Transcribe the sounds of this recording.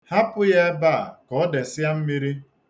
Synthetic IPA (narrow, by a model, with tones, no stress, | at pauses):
ha˦pʊ˦ja˦ba˦˨kɔ˨ɔ˦de˨sɪ˦a˦m̩˦mi˦ɾi˦